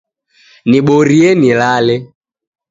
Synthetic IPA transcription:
niɓɔɾiɛnilalɛ

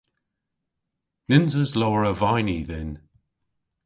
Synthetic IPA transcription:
nɪnzəzlowəɹəvajniðɪn

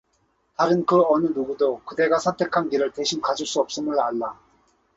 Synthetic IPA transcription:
taɾɯnkɯʌnɯnuɡudokɯde̞ɡasʰʌntʰe̞kʰankiɾɯɭte̞ɕʰimkad͡ʑuɭs͈uʌp̚s͈ɯmɯɭaɭːa

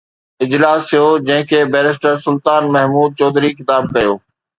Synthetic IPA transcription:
ɪd͡ʑlaːsijoːd͡ʑɐ̃ɦɪ̃kʰeːbɛːɾɪs̬ʈəɾsʊlt̪aːnmɐɦmuːd̪̚t͡ɕɔːd̪ɾixɪt̪aːb̚kɐjoː

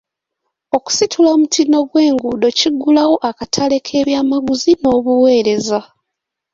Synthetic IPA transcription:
o̞ku̥sitʰulaoːmutino̞ɡwe̞ːŋɡudo̞ciɡːulawo̞ʔakatʰale̞kʰe̞ːβjaːmaɡuzino̞ːβuwe̞ːɾe̞za

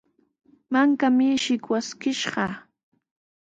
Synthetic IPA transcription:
maŋkamɪʃɪkwaskɪʃɢɑ

